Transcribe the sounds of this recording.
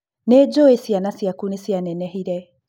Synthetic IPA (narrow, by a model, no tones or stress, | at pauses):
nɛd͡ʒoesianasiakunɛsianɛnɛhiɾɛ